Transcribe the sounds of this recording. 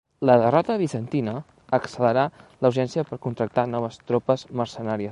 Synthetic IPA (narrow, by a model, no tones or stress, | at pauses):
ləðərɔt̪əβ̞isənt̪inəː | ksələɾaləwʒɛnsiəpəɾkunt̪ɾək̚t̪anɔβ̞əst̪ɾɔpəzməɾsənaɾiə